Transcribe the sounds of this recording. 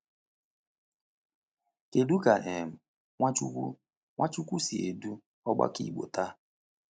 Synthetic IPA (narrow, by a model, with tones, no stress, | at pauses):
ke˨du˦ka˨ʔe˨m̩˨ | ŋʷa˦t͡ʃu˦ku˦ | ŋʷa˦t͡ʃu˦kʷu˦si˨e˨du˦ | ɔ˦ɡ͡ba̰˦kḭ˦˨ɡ͡bo̰˨ta˦